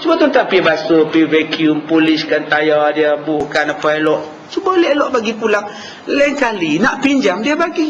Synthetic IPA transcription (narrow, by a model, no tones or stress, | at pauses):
t͡ʃubət̪unt̪aŋpibasopivɛkiumpulɪskant̪ajadiəbukanapalɔʔ | t͡ʃubəlɛʔlɔʔbaɡipulaŋ | lɛŋkalinaʔpiɲd͡ʒamdiəbaɡi